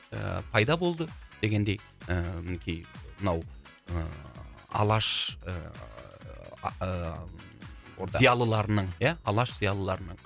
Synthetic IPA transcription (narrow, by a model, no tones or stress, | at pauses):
ə̰pʰɑjd̪ɑbo̞lˠd̪əd̪̥e̞ɡʲe̞nd̪e̞j | əmɪnekʲʰijmənɑw | ə | ɑ̰lˠɑʃ | ɾzijɑlˠəlˠɑɾənəɴjæɑlˠɑʃz̥ijɑlˠəlˠɑɾənəɴ